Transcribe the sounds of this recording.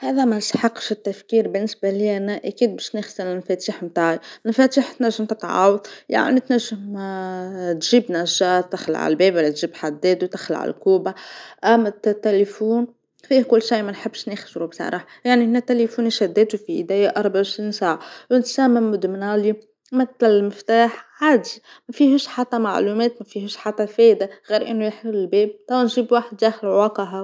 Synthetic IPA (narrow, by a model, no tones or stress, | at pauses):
hæːðæmænsħɑqːʃɪt̪ːæfkiːɾbɪnːɪsbaliʔænæʔækiːd̪̚bɛʃnɪxsənɪmfɛt̪iːħmt̪aːʕifæt̪iːħt̪næʒːɪmt̪ɪt̪ʕɑ̰ːwɑðˤja̰ʕnit̪næʒːəm | t̪ʒiːbnæʒːat̪ːɪxla̰ʕa̰lbɛːbælːɛt̪ʒiːbħad̪ːɛːt̪uwt̪ɪxla̰ʕa̰l̰lkuːbaʔæmːt̪t̪ːelifuːn | fiːhkʊlːʃajːmænħɪbːʃnɪxʃɾubsɑ̰ɾˤɑħjaʕnihnːæt̪ːelefuːniʃæd̪ːɛːt̪ufiʔɪd̪æːjaʔɑɾˤbaʕɪʃɾiːnsaːʕawnt̪sæːmɪmːʊd̪mnaːli | mɪt̪lɪlmɪft̪aːħʕaːd̪i | mæfiːhɪʃħat̪ːɑma̰ʕluːmɛːt̪mæfiːhɪʃħat̪ːɑfɛːd̪aɣiːɾʔɪnːujħlːɪlbeːb̚t̪ˤɑwanʒiːbwaːħɪd̪ːæːxɪlʕwɑqɑɦa